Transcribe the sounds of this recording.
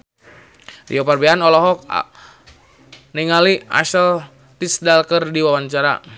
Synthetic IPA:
rḭɔparbɛanɔlɔɦɔk̚ | nɛŋalia̰ʃəl | t̪isdalkərdiwawant͡ʃaɾa̰

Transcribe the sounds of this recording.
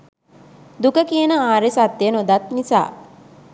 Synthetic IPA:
d̪ukəkiənəaːɾesat̪ːjənod̪at̪nisa̰ː

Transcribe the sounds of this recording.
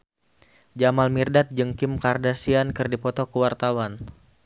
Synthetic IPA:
d͡ʒamalmirdat̪̚d͡ʒəŋkɪmkardasiankɨrdipɔt̪ɔkəwart̪awan

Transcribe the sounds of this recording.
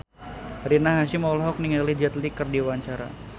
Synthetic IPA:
ɾinaɦaʃimawlɦɔk̚niŋalihd͡ʒat̪likərdiwaɲt͡ʃaɾa̰

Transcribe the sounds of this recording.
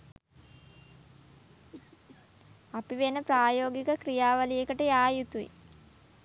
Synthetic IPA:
apiʋenəpɾaːjoːɡikəkɾijaːʋɐlijekəʈəjaːjut̪uḭ

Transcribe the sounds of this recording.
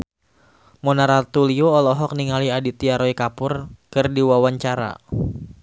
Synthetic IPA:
mɔnaɾat̪ulioːlɔɦɔk̚niŋaliadit̪iaɾɔikapʊrkɨrdiwawaɲt͡ʃaɾa̰

